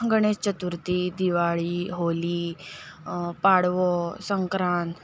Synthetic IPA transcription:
ɡəɳ̃est͡ɕət̪uɾt̪iːd̪iʋaɭiːɦoliː | paɽʋɔsəŋkɾan

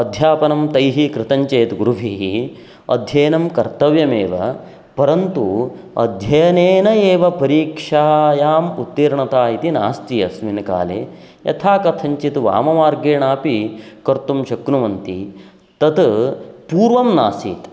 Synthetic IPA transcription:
ɐd̪ʱjaːpɐnɐmt̪ɐjɦikɾɪt̪ɐɲt͡ʃeːt̪ɡuɾuʋʱiɦi | ɐ̰d̪ʱjeːnɐmkɐɾt̪ɐʋjɐmeːʋɐ̰ | pɐɾɐnt̪u | ɐ̰d̪ʱjɐjɐneːnɐeːʋɐpɐɾiːkʂaːjaːmut̪ːiːɾɳɐt̪aːit̪ina̰ːst̪ijɐsʋinka̰ːlḛː | jɐ̰t̪ʰaːkɐt̪ʰɐɲt͡ʃit̪ʋa̰ːmɐʋaːɾɡeːɳaːpikɐɾt̪umʃɐknuʋɐnt̪i | t̪ɐt̪puːɾʋɐmna̰ːsḭːt̪

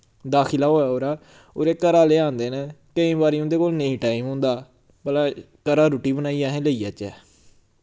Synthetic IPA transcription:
d̪aːkʰɪlaːoːaːoːɾaː | o̰ːɾeːkəɾaːleːãːnd̪eːneːkəĩːbaːɾiːõːd̪eːkoːlnəĩːʈaːiːmɦʊ̃ːnd̪aː | pəlaː | kəɾaːɾoːʈiːbənaːiːaːɦɛ̃ːləiːaːt͡ʃɛː

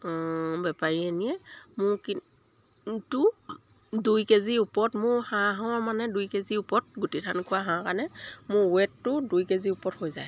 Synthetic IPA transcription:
bɛpaɹienijɛmʊɹki | tu | dujkeziupɔtmʊɹhãɦãɔmanɛdujkeziupɔt̚ɡutitʰankʰʊwaɦãkanɛmʊɹwɛtːʊdujkeziupɔthojza̰j

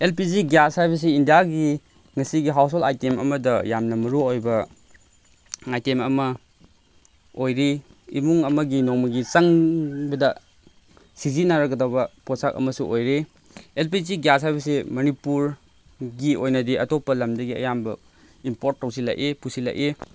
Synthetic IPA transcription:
elpiziɡjashajbɐs̬eindijaɡi | ŋɐsiɡiɦaws̬olajtemɐ̰mɐdɐjamnɐmɐɾuojbɐ | ajtemɐmɐ | ojɾi | ḭmuŋɐmɐɡinoŋmɐɡisɐŋbɐdɐ | sizinaɾɐɡɐdawbɐposak̚ɐ̰mɐsuʔojɾe | elpiziɡjas̬hajbɐsemɐnipuɾ | ɡiojnɐdiɐtopːɐlɐmdɐɡiɐ̰jambɐ | impoɾt̚ːɐwsila̰ʔepusila̰ʔe

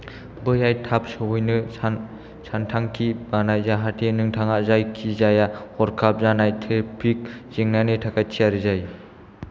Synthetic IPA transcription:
bɯjajtʰap̚sɯɦujnɯsan | sʰantʰaŋkʰibanajzaɦatenɯŋtʰaŋaʔzajkʰizajahɔɾkʰap̚zanajtʰepʰik̚z̥iŋnanetʰakʰajtʰiaɾizaj

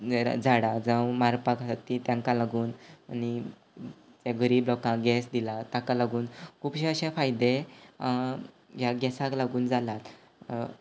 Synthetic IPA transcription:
d͡zʱaɽad͡zəwmaɾpakasat̪ːit̪jãŋkãlaɡuːnani | d͡zẽɡəɾiːblɔkãɡɛsd̪ilat̪ãkalaɡuːnkʰuːpɕeəɕɛ̃fajd̪e | jaɡɛsãklaɡuːnd͡zʱalat̪

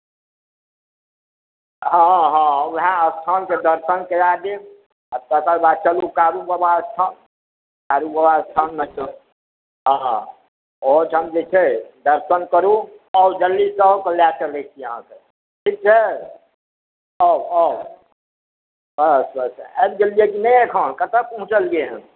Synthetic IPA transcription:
ɦãɦãɦãəst̪ʰənked̪əɾsənkejad̪e | ət̪əkəɾbat͡ʃəlukaɾubəbast̪ʰan | kaɾubəbast̪ʰanmət͡ʃə | ɦã | od͡ʒɦəmd͡ʒet͡ʃʰɛd̪əɾsənkəɾuɔd͡ʒəlːisəkəljakəɾlet͡ʃʰiəɦã̰ke | ʈʰik̚t͡ʃʰɛ | ɔɔ | bəsəsɛbd͡ʒəliekinɛjekʰənkət̪əpəɦũt͡ʃəlɡeɦəm

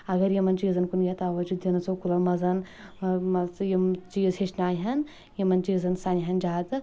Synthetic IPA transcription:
ɐɡɐɾjimɐnt͡ʃiːzɐnkunjʲet̪ɐʋɐd͡ʒud̪jinɐsokulɐmɐzɐn | mɐjimt͡ʃiːzhiʃnaːjɦɐn | jimɐnt͡ʃiːzɐnsaniɦɐnd͡ʒaːd̪ɨ

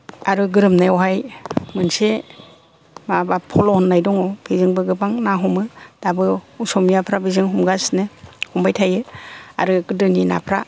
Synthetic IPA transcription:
aɾɯɡɯɾɯmnajɔɦajmɯnse | mabapʰɔlɔnːajdɔŋɔb̥izɯŋbɯɡɯbaŋnaɦɔmɯd̥abɯusɔmijapʰɾabizɯŋɦɔmɡasnɯhɔmbajtʰajɯa̰ɾɯɡɯdɯnina̰pʰɾa̰

